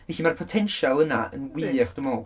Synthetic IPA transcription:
vɛɬimarpʰɔtʰɛnʃalˠənaə̰nwiχd̥əmoː

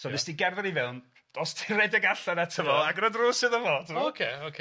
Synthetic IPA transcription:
soɪsd̥iɡɛrðɛɾivɛlˠn | d̥ɔstʰɪrɛdəɡaɬanatʰəvɔaɡɾədrʊːsɨðəvɔdokʰeokʰ

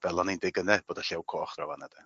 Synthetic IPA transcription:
v̥ɛlˠɔnindɪɡənɛb̥oːdaɬɛwkʰoːχravanəd̥ɛ

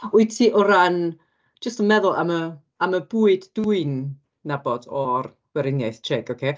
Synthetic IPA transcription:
ʊɨtʰiʔɔɾan | d͡ʒəstənmɛðʊlˠa̰mə | aməbuɨdd̥uɨnː | abɔd̥ɔr | wɛɾɪnjajθt͡ʃʰɛɡokʰeː

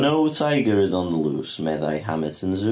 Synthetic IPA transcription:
noʊtʰaɪɡəɹɪzə̃n̩ðəlṵːsmɛða̰ɪɦa̰mɪtə̃nzu

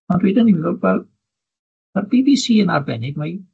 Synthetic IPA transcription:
ɔnrwidəniviɡɔvɛl | marbiːvisiːənarbɛnɪɡma

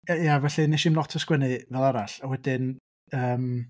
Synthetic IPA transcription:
javɛɬinɛʃimlˠɔtʰəskwənɨvɛlˠaɾaɬawɛdɪn | əːm

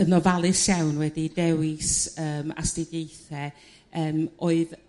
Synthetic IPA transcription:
ənɔvalˠɨsjawnwɛdidɛwɪsəːma̰stɪɡejθɛ | əːmʔoːɨð

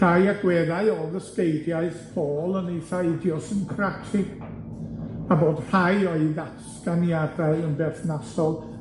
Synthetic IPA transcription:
ajaɡwɛðaɨɔðəskejdjaɨsb̥oːlˠəniθaɨdjɔsɪnkʰratʰɪ | aboːd̥hajɔɨðaskanjadaɨənbɛθnasɔlˠ

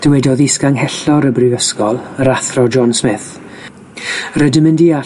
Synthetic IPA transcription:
d̥əwɛdɔðɪskaŋhɛɬɔɾəbrɪvəskɔlˠəɾaθrɔd͡ʒɔnsmɪθ | rədəmɨndia

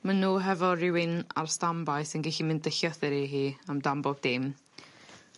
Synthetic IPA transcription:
manuːɦɛvɔrɪwɪna̰rstambaɨsənɡɛɬimɪndəɬɔθɪɾiɦiːamdambɔb̚d̥ɪm

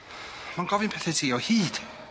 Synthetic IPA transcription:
manɡ̥ɔvɨnpʰɛθɛtʰiɔhiːd̥

